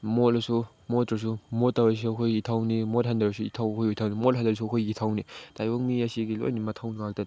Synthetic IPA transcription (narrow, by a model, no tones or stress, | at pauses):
molasu | motɾɐs̬umotːawas̬uɐkʰojitʰawnimothandɐɾɐsuitʰawkʰojujtʰawnimolɦandɐɾs̬uɐkʰojitʰawnitajwok̚miɐsiɡilo̰jnimɐtʰawnŋak̚tɐ